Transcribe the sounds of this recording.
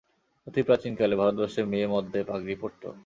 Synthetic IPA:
ot̪ʰipɾat͡ɕinkalebʱaɾot̪̚baʃeɾmeemɔd̪ʱːepaɡɾipoɾt̪o̰

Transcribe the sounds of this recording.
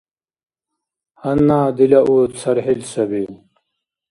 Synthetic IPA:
hɐnːaːd̪ilɐʔuːt̪sɐɾɦilsɐbiː

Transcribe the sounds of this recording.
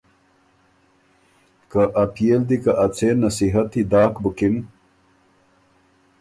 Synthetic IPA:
kaʔapʰijeld̪ikaʔɐt͡sʰenɐsiɦɐt̪ːid̪aːkbukim

